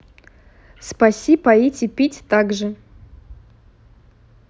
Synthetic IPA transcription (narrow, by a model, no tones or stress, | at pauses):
spasʲipaitʲipʲitʲt̪aɡʐɨ